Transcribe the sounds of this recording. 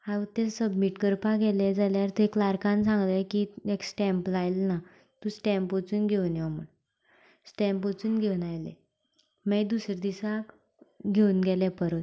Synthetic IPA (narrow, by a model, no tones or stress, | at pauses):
haut̪esəbmiʈkəɾpaɡɛled͡zaljaɾt̪eklaɾkãnsãŋɡlekieksʈɛ̃mpəlajlna | t̪ũsʈɛ̃mpot͡suːnɡʱeunjaməɽ | sʈɛ̃mpot͡suːnɡʱeunajlḛ | mejd̪usɾed̪isa | ɡʱeunɡɛlɛpəɾət̪